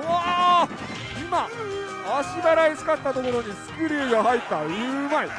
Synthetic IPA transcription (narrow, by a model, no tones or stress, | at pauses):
a | ima | aɕibaɾaisɨ̥kat̪ːat̪o̞ko̞ɾo̞ɲ̟isɨ̥kɯ̟ɾʲiːɡahait̪ːaɯ̟mai